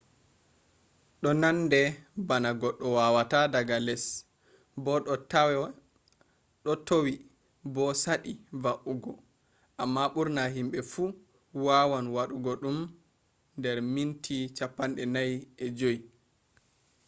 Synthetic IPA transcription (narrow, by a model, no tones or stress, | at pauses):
ɗɔnandɛbanaɡɔɗːɔwawatadaɡalɛs | bɔ | ɗɔtowi | bɔsaɗivaʔuɡɔ | ʔamːaɓuɾnaɦimɓɛfu | wawanwaɗuɡɔɗum | ndɛɾmintʰit͡ʃapːanɗɛnajɛd͡ʒoji